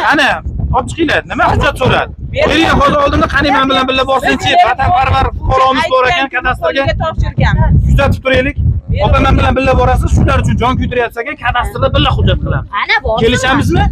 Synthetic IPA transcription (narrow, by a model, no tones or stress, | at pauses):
anaɒp̚t͡ʃʰɨ̥qʰijlad̪nɪmahʊd͡ʒːat̪soɾa̰d̪ɪbeɾjanɦɒlˠd̪ɪɾɒlˠd̪ɪnd̪aqʰɑnɪmanbɪlanbɪlːabbɒɾsɪnt͡ʃʰepat̪ʰapʰaɾvaɾfʊqʰɒɾɒnɪzbɒɾakʲankʲʰat̪ast̪ɪɾɡʲa | jʰʊzat̪ʰɪp̚t̪ʰʊɾejlɪkʲɒpamanbɪlanbɪlːabɒɾasɪzʃʊlaɾʊt͡ʃʰʊnd͡ʒɒnkʲʰʊjt̪ɪɾajat̪saɡʲankʲʰat̪ʰast̪ɪɾd̪abɪlːahʊd͡ʒːat̪̚qʰɨlˠamzkʲʰe̞lɪʃamɪzmɪ